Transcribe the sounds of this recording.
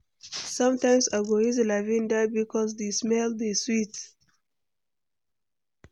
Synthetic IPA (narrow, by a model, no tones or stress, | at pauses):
sãmtãɪ̃msaɡoizilavĩndɛbikʰɔs̬desmɛldeswit